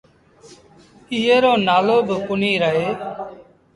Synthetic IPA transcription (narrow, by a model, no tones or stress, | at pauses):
ɪːeːɾoːnaːloːbəkʊniːɾəɦeː